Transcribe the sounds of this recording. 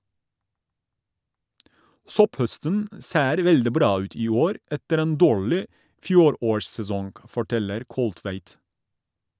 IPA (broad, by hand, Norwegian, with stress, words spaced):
ˈsɔpˌhœstən ə ˈseːɾ ˈʋɛldɪ ˈbɾɑː ˈʉːt ˈiː ˈoːɾ ˈɛtəɾ ˈeːn ˈdoːɹlɪ ˈfjuːˌɾoːɹssɛˌsɔŋɡ fɔˈʈɛləɾ ˈkɔlˌtʋæɪt